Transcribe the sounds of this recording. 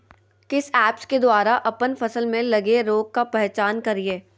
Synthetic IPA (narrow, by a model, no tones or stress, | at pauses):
kɪsɛːpsked̪waːɾaʔɐpənfɐsəlmẽlɐɡeɾoːɡ̚kapɛɦt͡ʃaːnkɐɾieː